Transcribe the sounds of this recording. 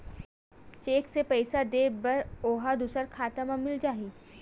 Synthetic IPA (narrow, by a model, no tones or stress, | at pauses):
t͡ʃeːksepɛːɪsad̪eːbɐɾoːɦad̪uːsəɾkʰaːt̪amãmɪld͡ʒaːɦiː